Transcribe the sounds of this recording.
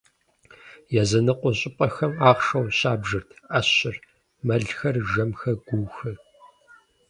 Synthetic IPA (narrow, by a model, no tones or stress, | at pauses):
jɛzɐnɨqʷʼʊɕʼɪpʼɐxɐmaːχʂɐwɕaːbʒɨrtʰɐɕɪr | mɐɮxɐrʒɐmxɐɡ̥ʷuwxɨ